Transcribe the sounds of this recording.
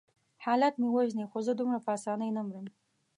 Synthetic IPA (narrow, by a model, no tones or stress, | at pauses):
hɑlat̪mewaʒnixozəd̪umɽapəasɑnəjnamɾəm